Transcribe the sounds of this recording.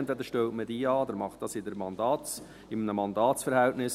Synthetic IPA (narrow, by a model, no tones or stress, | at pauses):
nt̪ʋɛd̪əʃtɛltmədiːɑːd̪ɛɾmɑχtd̥ɑsɪdəɾmɑndɑː | ɪmənəmɑnd̪ɑːtsfəɾhɛltnɪs